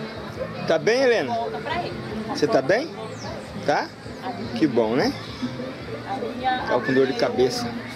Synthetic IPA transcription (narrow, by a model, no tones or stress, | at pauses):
t̪abẽj̃elẽnɐ | set̪abẽj̃ | t̪a | kɪbõw̃nɛ | t̪a̰kõd̪oɾd͡ʒɪkabesɐ